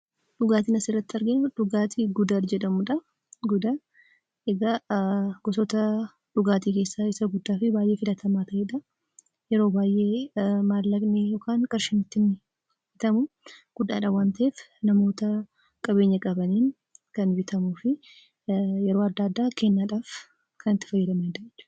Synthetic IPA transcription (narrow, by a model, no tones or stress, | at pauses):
ᶑʊɡaːt̪ɪnɐsɪrːɐt̪ːɐɾɡɪʊᶑʊɡaːt̪ʰɪɡʊd̪ɐɾd͡ʒɛᶑɐmʊᶑɐ | ɡʊd̪a | ɛɡɐɡɔsɔt̪ɐ | ᶑʊɡaːt̪̬iːkeːsːaɪsɐɡʊd̪ːaːfɪbaːjʔe̞ːfɪlɐt̪ʰɐmaːt̪ɐʔeːᶑɐ | jɛɾo̞ːbaːjʔe̞ːmaːlːɐɡnɪjoːkʰaːnkʼɐɾʃɪnɪt̪ːɪn | fbɪt̪ɐmʊ | ɡ̥ʊd̪ːa̰ːᶑɐwaːnt̪ɐeːfnɐmo̞ːt̪ɐ | kʼɐbe̞ːɲːɐkʼɐbɐniːn | kɐnbɪt̪ɐmuːfɪ | jɛɾo̞ːɐd̪ːaːd̪ːaːkʰe̞ːnːaːᶑaːf | kʰɐnɪt̪ːɪ̥fɐjːɐd̪ɐmɐᶑ̪ɐd͡ʒɛt͡ʃːʊ̥ː